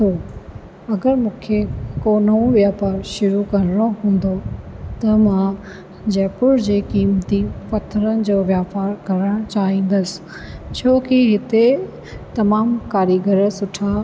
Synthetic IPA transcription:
t̪ʰoː | ɐɡəɾmũːkʰekoːnɐũʋijaːpaːɾʃʊɾukɐɾɪɽ̃oɦũːn̆d̪ot̪ɐmã | d͡ʑɛːpʊɾd͡ʑeːkiːmt̪ifɐt̪ʰəɾənɪ̆d͡ʑoːʋjaːfaːɾɡɐɾəɽ̃t͡ɕaːɦĩːn̆d̪əsɪ̥ | t͡ɕʰoːkiɦɪt̪e | t̪ɐmaːmkaːɾiɡəɾəsʊʈʰa

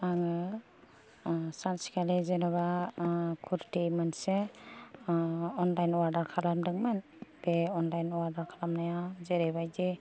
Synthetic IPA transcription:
aŋɯ | sansi̥kʰalezenaβa | kʰuɾtijmɯnse | ɔnlajnɔwaɾdaɾkʰalamdɯŋmɯn | b̥eɔnlajnɔwaɾdaɾkʰalamnajazeɾeβajde

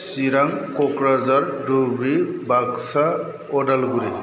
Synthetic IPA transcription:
siɾaŋkɔkɾazaɾdubɾibaksa | ɔdalɡuɾi

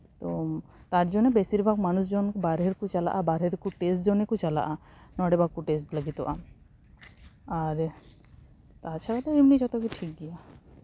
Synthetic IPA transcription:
t̪ot̪aɾd͡ʒonːebesiɾbʱaɡmanusd͡ʒonkbaɾɦeɾkut͡ʃala̰ʔabaɾɦeɾkuʈesʈd͡ʒonekut͡ʃala̰ʔanɔɽebakːuʈes̬ʈlaɡit̪ɔ̰ʔa | aɾ | t̪aɾt͡ʃʰaɽat̪oemnid͡ʒɔt̪okiʈʰik̚ɡija

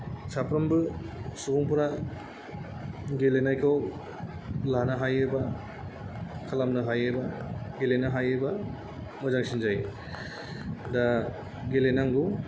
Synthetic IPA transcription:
sapɾambɯsubɔŋpɯɾa | ɡelenajkʰaw | lanaɦajeba | kʰalamnaɦajebaɡelenaɦajeba | mɔzaŋsind͡ʒaj | da | ɡelenaŋɡu

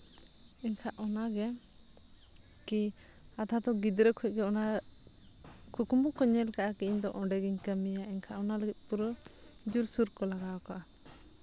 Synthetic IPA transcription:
iɲkʰaʔɔnaɡɛ | ki | at̪ʰad̪ɔɡid̪ɾəkʰɔɛc̚kɛɔna | kʰukumukɔɲɛlkaʔakiiɲd̪ɔʔɔɖɛɡiɲkəmijaiɲkʰaʔɔnaləɡit̪̚ˀpuɾɔ | d͡ʒuɾsuɾkɔlaɡawakɔʔa

